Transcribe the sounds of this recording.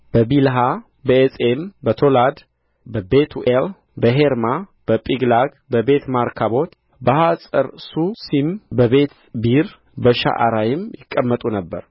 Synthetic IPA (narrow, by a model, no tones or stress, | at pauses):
b̥əbilɦa | bəesʼembət̪ʰo̞lad̪ | bəbet̪ʰuʔel | bəɦeɾmab̥əpʼiɡlaɡ | bəbe̞t̪maɾkʰaβo̞t̪ | bəhasʼəɾsusimbəβe̞t̪ | biɾ | bəʃa̰ʔa̰ɾajɪmjɪkʼːəmːət̪ʼunəbːə̰ɾ